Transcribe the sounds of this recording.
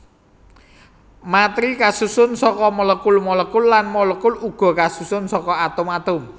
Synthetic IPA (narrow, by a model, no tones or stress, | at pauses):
mat̪ɾikasusʊnsɔkɔmɔləkʊlmɔləkʊlːanmɔlɔkʊluɡ̥ɔ̤kasusʊnsɔkɔat̪ʊmat̪ʊm